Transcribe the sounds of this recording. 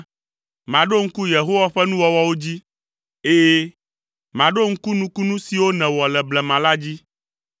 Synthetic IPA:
mã˨ɖo˦ŋ̩˦ku˦je˨ɦo˦wa˦ɸɛ˦nũ˦wɔ˨wɔ˦wo˦d͡ʑi˦ | e˦ | mã˨ɖo˦ŋ̩˦ku˦nũ˦ku˦nũ˦si˨wo˦nɛ̃˨wɔ˨lɛ˨blɛ˨mã˨la˦d͡ʑi˦

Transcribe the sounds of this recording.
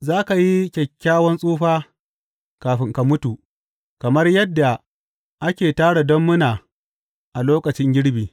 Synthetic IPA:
zaː˦ka˨ji˦kʲɛ˨kʲːaː˦wɐ˦nsʼuː˦ɸaː˦ | kaː˨ɸɪ˦ŋka˨mʊ˦tu˨ | kɐ˨mɐ˦rjɐ˦dːa˨ | ʔa˦kʲeː˨taː˦ɽa˨dɔ˦mːʊ˦naː˨ | ʔa˨loː˦kɐ˨t͡ʃɪ˦ŋɡʲɪ˦ɽbiː˨

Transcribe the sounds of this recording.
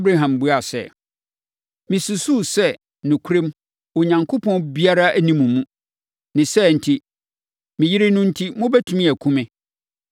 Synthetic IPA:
bɾa˦ɦã˨mbu˦a˨sɛ̰˨ | mĩ˨su˨su˦sɛ˦˨ | nʊ̃˨kʰu˦ɾẽ˦m | o˨ɲã˨ŋkʰo˦pʰɔ̃˦nbi˦a˦ɾa˦ʔæ˦nĩ˨mũ˨mũ˦ | nɪ̃˨sɛ˦n̩˨tʰi˦ | mĩ˨ji˦ɾɪ˦nʊ̃˦n̩˦tʰi˦mʊ̃˦bɛ˦tʰũ˦mĩ˦æ˨kʰũ˦mɪ̃˦

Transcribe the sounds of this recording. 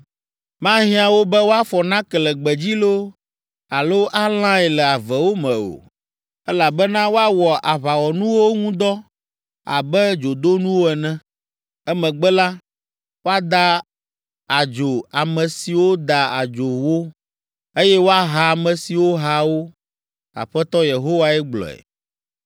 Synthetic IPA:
mã˦ɦĩ˦ã˨wo˦bɛ˦wo˦a˦fɔ˨nã˦kɛ˨lɛ˨ɡ͡bɛ˨d͡ʑi˦lo˦ | a˨lo˦ʔa˦l̃ã˦ɛ˨lɛ˨a˨vɛ˨wo˦mɛ̰̃˨o̰˨ | ɛ˦la˨bɛ˦nã˦wo˦a˦wɔ˨ʔa˨βa˨wɔ˨nũ˦wo˦ŋũ˦d̪ɔ˦ | a̰˨bɛ˦d͡ʒo˨d̪o˦nũ˦wo˦ɛ˨nɛ̃˦ | ɛ˦mɛ̃˨ɡ͡bɛ˦la˦ | wo˦a˦d̪a˦ | a˨d͡ʒo˨a˨mɛ̃˨si˨wo˦d̪a˨a˨d͡ʒo˨wo˦ | e˦jɛ˦wo˦a˦ɦa˨mɛ̃˨si˨wo˦ɦa˦wo˦ | a̰˨ɸɛ˦t̪ɔ˦je˨ɦo˦wa˦ɛ˦ɡ͡blɔ̰˨ɛ̰˨

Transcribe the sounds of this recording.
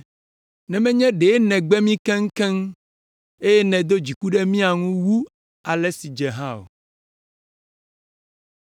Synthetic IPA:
nɛ̃˨mɛ̃˦ɲɛ̃˦ɖe˨˦nɛ̃˨ɡ͡bɛ˦mĩ˦kɛ̃˦ŋ̩˦kɛ̃˦ŋ | e˦jɛ˦nɛ̃˨d̪o˦d͡ʑi˨ku˦ɖɛ˦mĩ˦a˨ŋũ˦wu˦ | a˨lɛ˦si˨d͡ʒɛ˨ɦã˦o̰˨

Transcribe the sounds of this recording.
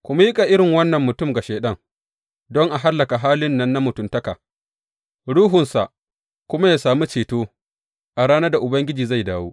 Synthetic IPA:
kʷʊ˨ma˦jɪ˦kʼa˨ʔɪ˦ɽɪ˨ŋwɐ˦nːɐ˨mːʊ˨tʊ˦˨mɡa˨ʃeː˨ɗɐ˦˨ŋ | dɔ˦ŋʔa˨ɦa˦lːɐ˨ka˨ɦaː˦lɪ˦nːɐ˦nːa˦mʊ˨tʊ˨mtɐ˦ka̰ː˨ | ɽuː˦ɦʊ˨nsa˨ʔ | kʷʊ˦ma˦jaː˦saː˨mu˦t͡ʃeː˨toː˦ | ʔa˨ɽaː˦na˦da˨ʔʊ˨bɐ˦ŋɡʲɪ˦d͡ʒiː˨za˦˨jdaː˦woː˦ʔ

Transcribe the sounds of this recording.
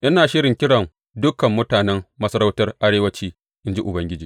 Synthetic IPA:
ʔɪ˦naː˨ʃɪ˦ɽɪ˨kʲɪ˦ɽɐ˨ŋ | dʊ˦kɐ˨mːʊ˦taː˨nɛ˦mmɐ˦sɐ˦ɾa˦wtɐ˦rʔa˦ɽeː˦wɐ˦t͡ʃiː˦ | ʔɪ˦nd͡ʒi˦ʔʊ˨bɐ˦ŋɡʲɪ˦d͡ʒiː˨

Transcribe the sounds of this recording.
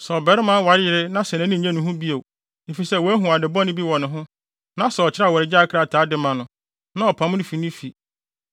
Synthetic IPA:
sɛ˨ɔ˨bɛ˨˦ɾɪ˦mã˦wa˨˦ɪ˨ɾɪ˦nã˦sɛ̃˨nã˨˦nɪ̃˦˨ɲɛ̃˦nʊ̃˨ɦʊ̃˦bi˦o˨ | e˨fi˨sɛ˦˨wɔ˨æ˦ɦũ˨a˨dɪ˨bɔ̃˦nɪ̃˦bi˦wɔ̃˨nʊ̃˨ɦʊ̃˦ | nã˦sɛ˨ɔ˨t͡ɕʰɪ˦ɾa˦˨wɔ˨ɾɪ˨d͡ʑa˦kʰɾa˨tʰaː˨˦dɪ˦mã˨nʊ̃˨ | nã˦ɔ˨pʰã˨m˦nɪ̃˦fi˨nʊ̃˦fi˨

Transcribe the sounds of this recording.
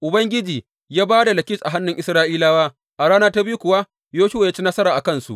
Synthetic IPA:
ʔʊ˨bɐ˦ŋɡʲɪ˦d͡ʒiː˨ | jaː˦baː˦da˨lɐ˨kʲɪ˦sʔa˨ɦa˦nːʊ˨ŋʔɪ˦sɾaː˦ʔiː˦laː˦waː˦ | ʔa˨ɽaː˦naː˦ta˦bi˦u˦kʷʊ˨wa˦ | joː˦ʃʊ˦wa˨jaː˦t͡ʃi˦nɐ˦sɐ˦ɾaː˨ʔa˨kɐ˦˨nsṵ˨ʔ

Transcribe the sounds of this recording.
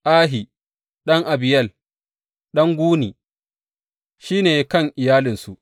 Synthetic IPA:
ʔaː˦ɦi˨ | ɗɐ˦ŋʔa˨bɪ˨jɐ˦l | ɗɐ˦ŋɡʷuː˦niː˨ | ʃiː˦neː˨kɐ˦˨ŋʔɪ˨jaː˦lɪ˨nsu˨

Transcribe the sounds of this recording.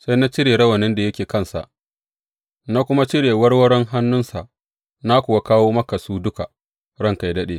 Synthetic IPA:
sa˦jna˦t͡ʃɪ˦ɽeː˨ɾɐ˦wɐ˨nɪ˦nda˨jɐ˦kʲeː˨kɐ˦˨nsa̰˨ʔ | na˦kʷʊ˦ma˦t͡ʃɪ˦ɽeː˨wɐ˦ɽwɐ˦ɽɛ˦ŋɦa˦nːʊ˦nsa˨ʔ | na˦kʷʊ˨wa˦kaː˦woː˦mɐ˦ka˨suː˦dʊ˦ka˨ | ɽɐ˦ŋka˨jdɐ˦ɗeː˦

